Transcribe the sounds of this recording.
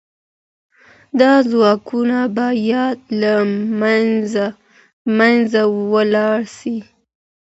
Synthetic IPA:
d̪ɑzwɑkunabɑjɑd̪laaza | manzawəlɑɽsi

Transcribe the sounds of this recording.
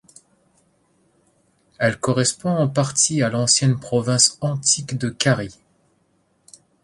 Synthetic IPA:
ɛlkɔʁɛspɔ̃ɑ̃paʁt̪ʰialɑ̃sjɛnpχɔvɛ̃sɑ̃t̪ʰikd̪əkaʁi

